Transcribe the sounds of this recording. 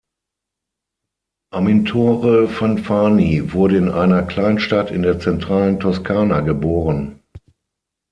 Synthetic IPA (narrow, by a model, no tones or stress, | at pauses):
ʔamintʰoːʁəfanfaːnivʊɐɾəɪnʔaɪnɐkl̥aɪnʃtatɪndeːɐt͡sɛntʁ̥aːləntʰɔskʰaːnaɡəboːʁən